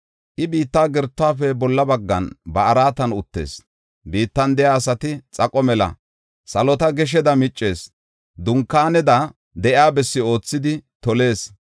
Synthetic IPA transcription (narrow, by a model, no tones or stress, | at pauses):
ʔɪbiːt̪ːaːɡɛɾt̪ːʊaːfɛbɔlːɐbɐɡːɐnbɐʔɐɾaːt̪ɐnʊt̪ːe̞̰ːs | biːt̪ːɐnd̪ɛjaːsɐt̪ɪt͡sʼɐkʼɔmɛlɐ̰ | sɐlɔt̪ɐɡɛʃ̬ɛd̪ɐmɪt͡ʃʼːe̞ːs | d̪ʊŋkːaːnɛd̪ɐ | d̪ɛʔɪaːbɛsːɪo̞ːt͡sːɪd̪ɪt̪ɔle̞ːs